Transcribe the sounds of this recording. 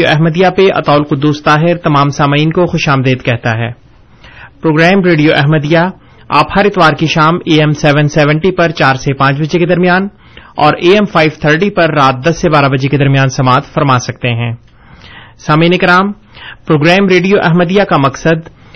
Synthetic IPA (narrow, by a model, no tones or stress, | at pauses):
oʔɛɦməd̪ijapeʔɐ̰t̪aːlqʊd̪ːuːst̪aːɦɪɾt̪ɐmaːmsaːmiːnkoxʊʃaːmd̪eːd̪kɛɦt̪aɦɛ̰ː | pɾoːɡɾɛːmɾeːɖijoʔɛɦməd̪ija | aːphɐɾɪt̪ʋaːɾkiʃaːmeːɛmsɛːʋənsɛːʋə̃ɳʈipɐɾt͡ʃaːɾsepãːt͡ʃbɐd͡ʒeked̪ɐɾmijaːn | ɔːɾeːɛmfaːɪʋt̪ʰəɾʈipɐɾːaːt̪̚d̪ɐsːebaːɾabɐd͡ʒeked̪ɐɾmijaːnsɐmaːt̪fɐɾmaːsɐk̚t̪eɦɛ̃ː | saːmiːnɪkɾaːm | pɾoːɡɾɛːmɾeːɖijoʔɛɦməd̪ijakamɐksəd̪